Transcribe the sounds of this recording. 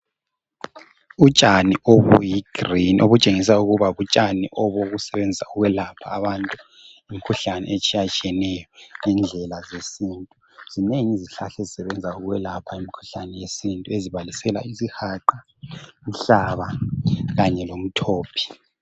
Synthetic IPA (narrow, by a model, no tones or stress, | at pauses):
ut͡ʃʼaniʔoβṵjiɡ̥rinʔo̰βut͡ʃʼeŋis̬auɣuβaβut͡ʃʼaniʔɔβoɣusɛβend͡zʱisauɣwɛlapʰa̰ːβantʼu | imikʰuɬanɛ̰et͡ʃʼijat͡ʃʼiɛnɛjɔŋɛnd͡ɮʱɛlazesintʼu | z̥ineŋiziɬaɬɛzisɛβɛnd͡zʱauɣwɛlapʰaimikʰu̥ɬanɛjesintʼueziβalisɛla̰izihaǃa | m̩ɬaβaɣaɲɛlom̩tʰoːpʰi̥